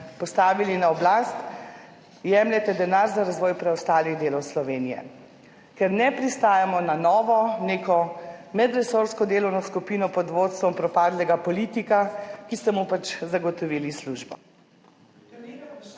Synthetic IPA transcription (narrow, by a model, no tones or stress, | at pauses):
pɔst̪aːʋilinaɔblast̪ | jɛmlɛt̪ɛd̪ɛnaɾzaɾazʋɔːjpɾɛɔst̪aːliɣd̪eːlɔwslɔʋeːnijɛ̰ | kɛɾnɛpɾist̪aːjamɔnanɔːʋɔneːkɔmɛd̪ɾɛsoɾskɔd̪eːlɔwnɔskupiːnɔpɔd̪ʋoːt̪st̪ʋɔmpɾɔpaːd̪lɛɡapɔliːt̪ikakist̪ɛmupat͡ʃzaɡɔt̪ɔʋilisluʒbɔ